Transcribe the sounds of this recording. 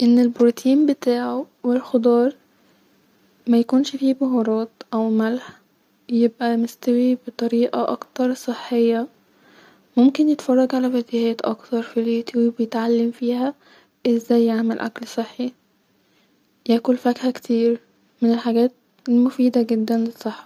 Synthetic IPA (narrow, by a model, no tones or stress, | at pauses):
ʔenːelboɾt̪ʰiːmbet̪aːʕo | welxod̪ˤɑːɾˤ | mæjækuːnʃfiːboɦoɾˤɑːt̪ʔæwmælħ | jebʔæmest̪æwibet̪ˤɑɾiːʔɑʔɑ̰kt̪ɑɾˤsˤeħːejːæ | momkenjet̪fɑrˤːɑɡʕalæwæd̪ihæːt̪ʔɑ̰kt̪ɑɾˤfileːt̪ːwbejet̪ʕalːæmfiːhæ | ʔezːæjːaʕmælʔæ̰klsˤeħːi | jæːkolfækhækt̪ʰiːɾ | menelħaɡæːt̪̚ | mofiːd̪æɡed̪ːænlesˤːeħːɑ̥